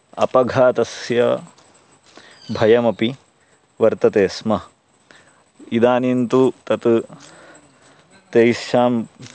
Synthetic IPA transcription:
ɐ̰pɐɡʱaːt̪ɐsjɐ | bʱɐjɐmɐpi | ʋɐɾt̪ɐt̪eːsmɐ | id̪aːnint̪ut̪ɐt̪ | t̪eːsʃaːm

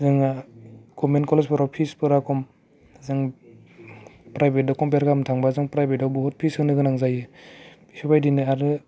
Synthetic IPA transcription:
zɯŋ | ɡ̥ɔmenkɔlespɯɾɔpʰispɯɾakʰɔm | zɯŋ | pɾajbʱet̚dɔkɔmpeɾkamtʰaŋbazɯŋpɾajbet̚dawbɔɦɔt̚pʰisɯŋnɯɡɯnaŋzajɯbisupajdinɯaɾɯ

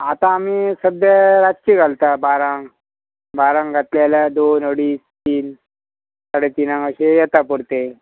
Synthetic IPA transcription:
at̪ãːmisəd̪jaɾad͡ʑkiɡʱalt̪abaɾaŋ | baɾaŋɡʱat̪ljalad̪onəɽiːst̪iːn | saɽet̪inaŋəɕejɛt̪apuɽt̪e

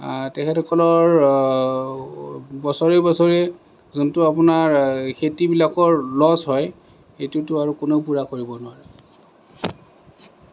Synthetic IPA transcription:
tɛkʰɛtʰɔkɔlɔɹ | bɔsɔɹibɔsɔɹe | zuntʊapʊnaɹxetibilakɔɹlɔzɦɔj | xetiutʊaɹukʊneʊpuɹakoɹibɔnʊwaɹɛ

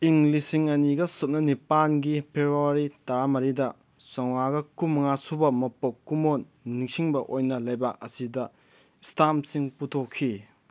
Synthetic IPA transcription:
iŋlisiŋɐniɡɐsup̚nɐnipanɡipʰebuɐɾitɐɾamɐɾidɐ | sɐŋwaɡɐkumːɐŋasubɐmɐpokːumonː | iŋsiŋbɐʔojnɐlɐjbak̚ɐsidɐ | istʰamsiŋputʰokʰːi

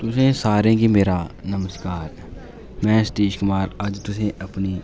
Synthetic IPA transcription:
t̪ʊsẽsaːɾẽːɡimeːɾanɐməskaːɾ | mɛ̃ːst̪iːʃkʊmaːɾɐd͡ʒt̪ʊsẽʔɐpni

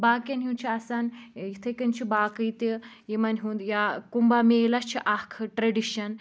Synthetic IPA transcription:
baːkanɦĩwnt͡ʃʰiasanit̪ʰəkɐnt͡ʃʰibaːkəjt̪e | jemanɦũnd̪jakumbamelat͡ʃʰiʔakʰʈɾɐɖiɕɐn

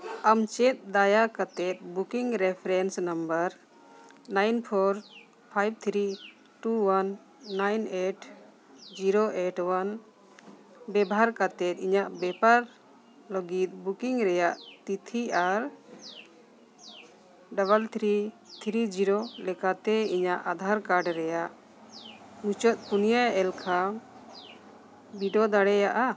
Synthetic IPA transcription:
amt͡ʃɛt̪̚d̪ajakat̪ɛt̪̚bukiŋɾɛpʰɾɛnsnambəɾ | najnpʰɔɾ | pʰajb̚t̪ʰɾi | ʈuwanː | ajneʈ | d͡ʒiɾoʔeʈwan | bɛbɦaɾkat̪ɛt̪̚ˀiɲaʔbɛpaɾ | ləɡit̪̚ˀbukiŋɾɛjaʔt̪it̪ʰiaɾ | ɖaβalt̪ʰɾi | t̪ʰɾid͡ʒiɾɔlɛkat̪ɛiɲaʔad̪ʱaɾkaɾɖɾɛjaʔ | hut͡ʃɔt̪̚ˀpunijajɛlkʰa | biɖɔd̪aɽɛjaʔa

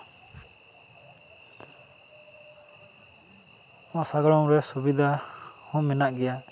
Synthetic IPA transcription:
mãsaɡɔɽɔŋɾɛsubid̪ʱahũmɛnaʔɡɛja

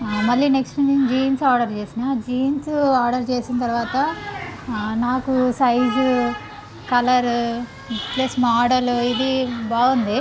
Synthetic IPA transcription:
mɐlːineksʈut͡ʃid͡ʒiːnsaːɾɖɐɾt͡ʃe̞ːsinad͡ʒiːnsaːɾɖɐɾt͡ʃe̞ːsint̪ɐɾʋaːt̪ɐ | naːkusɐjd͡ʒ | kɐlɐɾ | plɐsmaːɖɐluid̪ibaːɡund̪i

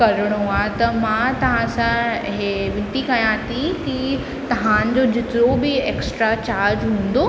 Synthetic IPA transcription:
kɐɾəɽ̃oɦat̪ɐmãt̪ɐʋ̤ãsãɦeʋɪ̃nt̪ikɐjãːt̪ʰiki | t̪ɐʋ̤ãːnɪ̆d͡ʑod͡ʑɪt̪ɪɾobɪeːksʈɾat͡ɕaːɾd͡ʑɦũːn̆d̪oː

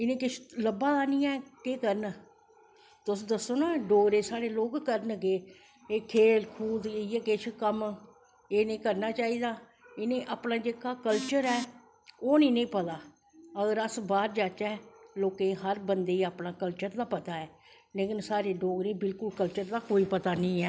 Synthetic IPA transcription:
ɪnẽːkɪt͡ʃʰləbːaːd̪aːnĩːɛːkeːkəɾən | t̪ʊsd̪əsːoːnaːɖoːɡɾeːsaːɽeːloːɡkəɾənɡeː | eːkʰeːlkʰuːd̪ijeːkɪt͡ʃʰkəm | eːnĩːkəɾnaːt͡ʃaːiːd̪aː | ɪnẽːʔaːpnãːd͡ʒeːkaːkəlt͡ʃəɾɛː | oːnĩːnẽːpət̪aː | əɡəɾəsbaːɾd͡ʒaːt͡ʃɛːloːkẽːɦəɾbənd̪eːiaːpnãːkəlt͡ʃəɾd̪aːpət̪aːɛː | leːkɪnsaːɾeːɖoːɡɾẽːbɪlkʊlkəlt͡ʃəɾd̪aːkoːiːpət̪aːnĩːɛː

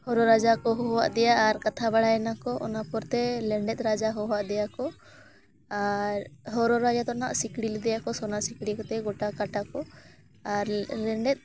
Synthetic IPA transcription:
hɔɾɔɾad͡ʒakɔɦɔɦɔwaʔd̪ɛjaʔːɾkat̪ʰabaɽajɛnakɔʔɔ̰napɔɾt̪ɛlɛɳɖɛt̪̚ˀɾad͡ʒaɦɔɦwaʔd̪ɛjakɔ | aɾɦɔɾɔɾad͡ʒat̪ɔna̰ʔsikɽilɛd̪ɛjakɔsɔnasikɽikɔt̪ɛɡɔʈakaʈakɔ | aɾlɛɳɖɛt̪̚ˀ

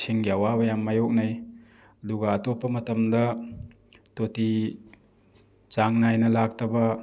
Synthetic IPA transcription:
siŋɡiawabɐjamːajok̚naj | ɐduɡɐːtopːɐmɐtɐmdɐ | toti | t͡ʃaŋnajnɐlak̚tʰɐbɐ

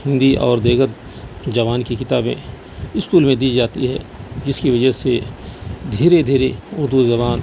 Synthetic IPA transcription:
hɪ̃nd̪iʔɔ̰ːɾd̪eːɡət̪ | d͡ʒɐʋaːnkikɪt̪aːbẽ | ɪskuːlmẽd̪iːd͡ʒaːt̪iɦɛ̰d͡ʒɪskiʋɐd͡ʒəse | d̪ʱiːɾed̪ʱiːɾeʊɾd̪uzɐbaːn

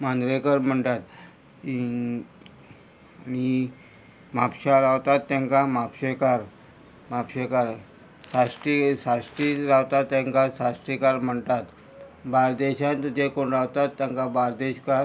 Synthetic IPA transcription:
mãnd̪ɾekəɾm̤əɳt̪at̪ | ñi | mapɕaɾawt̪at̪ːjãŋkamapɕekaɾ | mapɕekaɾ | sasʈisasʈitɾawt̪at̪ːjaŋkasasʈɾikaɾm̤əɳt̪at̪ | baɾd̪eɕãnt̪d͡ʑekoɳɾawt̪at̪ːjãŋkabaɾd̪eɕka

